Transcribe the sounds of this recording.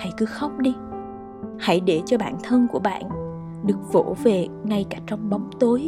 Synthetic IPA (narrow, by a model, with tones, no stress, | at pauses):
ha̰˧˩jkɨ˨˦xa˦˥wk͡p̚ɗi˧ | ha̰˧˩jɗe˧˩t͡ɕɔ˧ɓa̰ː˧˨nt̪ʰə˧nku˧˩əɓa̰ː˧˨n | ɗɨ˨˩ək̚vo̰˧˥ve˨˩ŋa˧jkaː˧˩t͡ɕɔ˧wŋ͡mɓa˨˦wŋ͡mt̪o˨˦j